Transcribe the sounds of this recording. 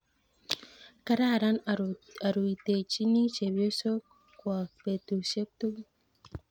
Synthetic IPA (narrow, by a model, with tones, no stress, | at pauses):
ka˦ɾa˦˨ɾa˦na˨ɾu˨i˨te˨t͡ʃi˦ni˦t͡ʃe˨bi˨˦o˦so˦ | kwa˨pe˨tu˨se˦k̚tu˦